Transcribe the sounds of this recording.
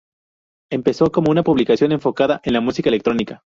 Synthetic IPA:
e̞mpe̞so̞ko̞mo̞unapuβlikasjo̞ne̞ɱfo̞kaðaʔe̞nlamusikae̞le̞k̚t̪ɾo̞nika

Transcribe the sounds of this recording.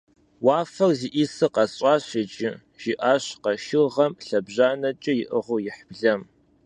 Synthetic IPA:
waːfɐrziʔisɨqɐɕʼɑːɕɪt͡ʃʼɪ | ʒ̥iʔaːɕqɐʃɪʁɐmɬɐbʑaːnɐt͡ʃʼɪjɪʔəʁʊjɪħb̥ɮɐm

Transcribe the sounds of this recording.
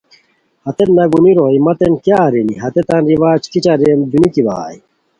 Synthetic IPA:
hɐt̪et̪nɐɡuniɾoːjmɐt̪enkjaɾiniɦɐt̪et̪ɐnɾiʋaːt͡ʃk̪it͡ɕaɾemd̪unikiba̰ːj

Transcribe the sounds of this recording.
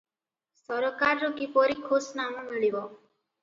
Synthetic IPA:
sɔɾɔkaɾːokipoɾikʰosnamũmiɭiʋɔ

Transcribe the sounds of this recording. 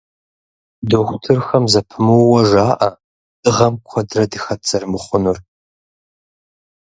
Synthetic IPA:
doxʷtʰɨrxɐmzɐpʰɨmɨwwɐʐaːʔɐ | d̥ɨʁɐmkʷʰɐdrɐdɨxɐtt͡sɐrmɨχʷʊnɨr

